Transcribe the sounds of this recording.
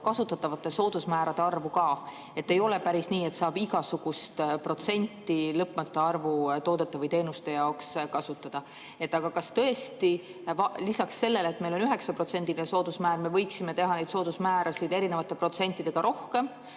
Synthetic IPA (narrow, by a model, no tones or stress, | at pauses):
kɑsut̪ːˑɑt̪ːˑɑvɑt̪ːˑe̞so̞ːd̪̥usmæːɾɑd̪̥e̞ɑrvukɑː | e̞t̪ːe̞jo̞le̞pæɾisniːe̞t̪sɑːb̥iɡɑsuɡ̥ust̪pro̞t̪se̞nʲt̪ːˑilɤpːˑmɑt̪ːˑeɑrvut̪o̞ːd̪e̞t̪ːˑɑvɯjt̪e̞ːnust̪e̞jɑokskɑsut̪ːˑɑd̪̥ɑ | e̞t̪ːˑɑɡ̥ɑkɑst̪ɤ̞est̪i | vɑlisɑksːe̞lːe̞leet̪me̞jlo̞nyɦe̞ksɑpro̞t̪se̞nʲd̪ilineso̞ːd̪̥usmæːɾme̞vɤ̞jksime̞t̪e̞ɦɑne̞jd̪so̞ːd̪̥usmæːɾɑsid̪̥e̞ɾine̞vɑt̪ːˑe̞pro̞t̪se̞nʲt̪ːˑid̪̥e̞ɡ̥ɑɾʔo̞hke̞m